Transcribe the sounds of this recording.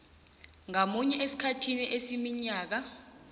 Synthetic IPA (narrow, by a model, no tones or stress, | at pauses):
ŋamuɲɛʔesi̥kʰatʰiniʔesimiɲaːk̬a